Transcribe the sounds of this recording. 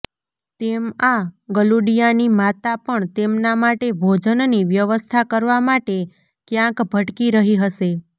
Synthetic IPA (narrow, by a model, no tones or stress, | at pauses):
t̪emaɡəluɽijanimat̪apəɳt̪emnamaʈebʱod͡ʒənniʋjəʋəst̪ʰakəɾʋamaʈe | kjãkbʱəʈkiɾəɦiɦəʃe